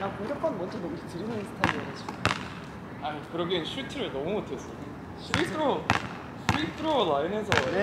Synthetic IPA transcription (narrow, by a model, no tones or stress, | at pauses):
nakkuɡjʌp̚k͈ʌnmwʌnd͡ʑʌnʌmud͡ʑʰetɯɾinɯnɯnsʰɯ̥tʰaiiʌɾʌt͡ɕʰim | anikɯɾʌɡenɕʰuitʰɯɾɯɭnʌmumotʰe̞s͈ʌ | itʰɾo | sʰuitʰɯɾolaines̬ʰʌ